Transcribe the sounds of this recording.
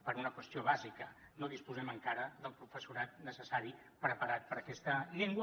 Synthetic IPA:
pəɾunəkwəst̪ioβ̞azikə | noðispuzɛməŋkaɾəðəlˠpɾufəsuɾat̪nəsəsaɾi | pɾəpəɾat̪̚pəɾəkɛst̪əʎeŋɡw

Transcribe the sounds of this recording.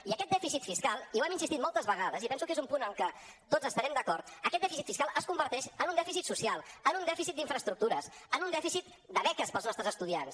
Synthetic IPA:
iəkɛt̪̚d̪ɛfisit̪fiskalˠiwɛminsist̪it̪̚mɔlˠt̪əzβəɣaðəzipɛnsukezumpunəŋlkə | t̪od͡zəst̪əɾɛmd̪əkɔɾt̪əkɛt̪̚ɛfisit̪fiskalˠʔəskumbəɾt̪ɛʃənund̪ɛfisit̪susialˠənund̪ɛfisit̪d̪iɱfɾəst̪ɾuk̚t̪uɾəsənunɛfisit̪ | d̪əβɛkəspəlˠznɔst̪ɾəzəst̪uðia̰ns

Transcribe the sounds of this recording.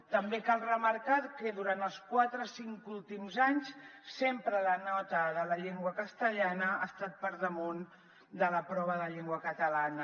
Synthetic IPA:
t̪əmbekalˠrəməɾkat̪kəðuɾant̪əlˠskwat̪ɾəsiŋkulˠt̪imzaɲssempɾələnɔt̪əðələʎeŋɡwəkəst̪əʎanəast̪at̪̚pəɾðəmun | d̪ələpɾɔβəðəʎeŋɡwəkət̪əlanə

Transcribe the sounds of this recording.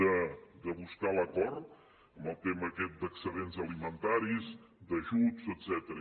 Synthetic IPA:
əd̪əβuskaləkɔrt̪ | əmbəlˠt̪eməːkɛt̪̚d̪əksəðenzəlimənt̪aɾiz | d̪əʒuzəd̪z̥ɛt̪əɾə

